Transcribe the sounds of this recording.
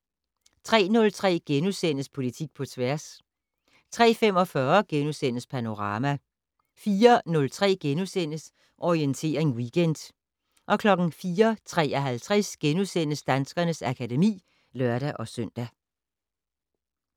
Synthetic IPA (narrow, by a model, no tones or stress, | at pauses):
t͡sʰʁɛ̰ːnɔ̽lt͡sʰʁɛ̰ːɡ̥enusen̰əspʰo̝lit͡sʰiɡ̥̚pʰɒ̽t͡sʰʋæɐs | t͡sʰʁɛ̰ːfem̰ɒ̽fɶɐɡ̥enusen̰əspʰæno̝ʁɑ̈ːmæ | fiːɐnɔ̽lt͡sʰʁɛ̰ːɡ̥enusen̰əs | ʔɒient͡sʰe̝̰ːɐʁe̝ŋwiɡ̥end̥ | ʔɒ̽kʰlɒ̽ɡ̥n̩fiːɐt͡sʰʁɛ̰ːɒɦælt͡sʰʁɛsɡ̥enusen̰əsd̥ænsɡ̥ɐnəsækʰædemḭː | lɶɐ̰ɾ̥æʔɒ̽sœn̰d̥æ